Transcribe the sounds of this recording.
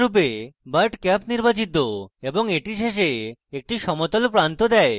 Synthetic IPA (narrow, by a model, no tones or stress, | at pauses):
upebəɾʈkɛpniɾbat͡ɕit̪ːoeboŋeʈiʃeʃ̬eek̚ʈiʃɔmot̪olpɾant̪od̪ɛe